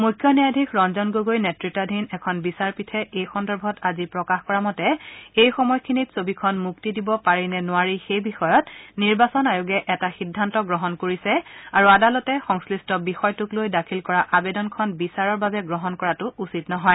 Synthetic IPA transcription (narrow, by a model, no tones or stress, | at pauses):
mujkʰːjɔnijadʱikʰɹɔnzɔnɡoɡojnɛtɹitadʱinɛkʰɔnbisaɹpitʰɛʔejxɔndɔɹbʱɔtazipɹɔkaxkɔɹamɔtɛejxɔmɔjkʰinitsobikʰɔnmuktidibɔpaɹinɛnʊaɹixejbixɔjɔtniɹbasɔnajʊɡɛʔɛtaxidʱːantɔɡɹɔɦɔnkoɹisɛaɹuadalɔtɛxɔŋslistɔbixɔjtʊklojdakʰilkɔɹaʔabɛdɔnkʰɔnbisaɹɔɹbabɛɡɹɔɦɔnkɔɹatʊusitnɔɦɔj